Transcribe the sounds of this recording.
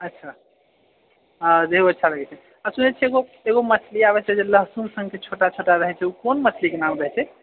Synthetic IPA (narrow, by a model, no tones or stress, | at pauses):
ətːʃʰa | ad̪ʱeɦoətːʃʰaləɡɛt͡ʃʰɛ | asunɛt͡ʃʰɛeɡo | eɣoməsliaβɛt͡ʃʰɛd͡ʒeləɦsumsə̃ŋɡket͡ʃʰoʈat͡ʃʰoʈaɾəɦɛt͡ʃʰɛukonməslikenamɾəɦɛt͡ʃʰɛ